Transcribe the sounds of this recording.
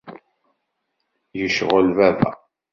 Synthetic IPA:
jəʃʁəlvævæ̰

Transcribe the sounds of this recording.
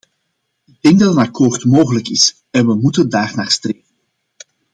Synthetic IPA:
ɪɡ̚dɛŋ̚dɑtənɑkoːrtmoːɣələkɪs | ɛnʋəmutəndaːrnaːrstreːvən

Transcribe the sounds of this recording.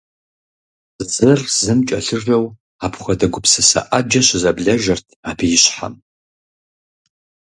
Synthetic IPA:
zɨrz̥ɨmt͡ʃʼɐɬɨrɐw | aːpʰχʷɐdɐɡʷʊpsɐsɐ̰ʔad͡ʒɐɕɪzɐbɮɐʒɐrtʰaːpʰijɪɕħa̰m

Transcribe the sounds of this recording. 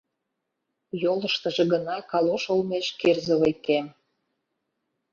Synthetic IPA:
joləʃt̪ə̆ʒĕɡə̆nɑkɑloʃolmeʃkerzə̆βəjkem

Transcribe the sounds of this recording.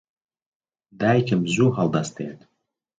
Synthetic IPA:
d̪ajkʲʰəmzuhalˠd̪ast̪ʰeat̪

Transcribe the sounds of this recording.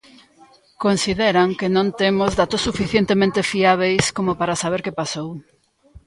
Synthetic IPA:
konsiðeɾaŋkenõnt̪emozðat̪osːufiθjent̪emẽnt̪efiaβ̞ejskomopaɾasaβ̞eɾkepasow

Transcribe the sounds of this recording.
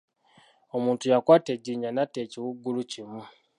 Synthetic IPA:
o̞muːntujakwaːte̞ɟːiɲanateciwuɡːulucimu

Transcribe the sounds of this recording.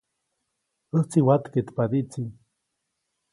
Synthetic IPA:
əht͡siwat̪ket̪pad̪iʔt͡si

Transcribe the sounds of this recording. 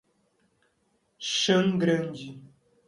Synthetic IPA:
ʃɐ̃ŋɡɾɐ̃nd͡ʒi

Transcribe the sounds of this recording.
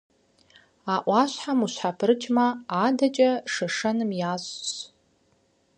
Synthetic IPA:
aʔʷaʃʷħamuʃʷħapʰɨrɨt͡ʃʰʼmaːdat͡ʃʼaʂaʂɐnɨmjazʷs

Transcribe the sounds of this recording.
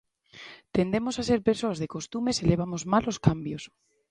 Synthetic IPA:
t̪end̪emosaseɾpeɾsoazðekost̪umeseleβ̞amozmaloskambjos

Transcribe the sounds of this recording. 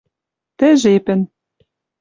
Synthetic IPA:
t̪ɘ̆ʒepɘ̆n

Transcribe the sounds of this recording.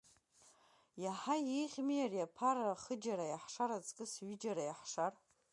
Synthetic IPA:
jaħajejχʲmiarjapʰaɾaχəd͡ʒaɾajaħʂaɾat͡sʼkʼɨsɥid͡ʒaɾajaħʂar

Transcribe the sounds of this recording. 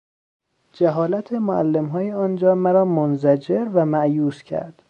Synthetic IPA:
d͡ʒæɦɒːlæt̪ʰemoæ̰lːemɦɒːjeɒːnd͡ʒɒːmæɾɒːmonzæd͡ʒeɾvæmæʔjuːscʰæ̰ɾd̪̥

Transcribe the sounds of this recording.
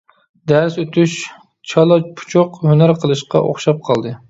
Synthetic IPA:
d̪æɾsøt̪ʰyʃ | t͡ʃʰɑlˠɑpʰu̥t͡ʃʰoqhønæɾqʰəlˠɨʃqɑ̰ʔo̰χʃɑp̚qʰɑlˠd̪ɨ

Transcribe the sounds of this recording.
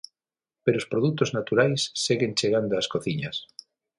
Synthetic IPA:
peɾospɾoðut̪oznat̪uɾajsːeɣent͡ʃeɣand̪oaskoθiɲa̰s

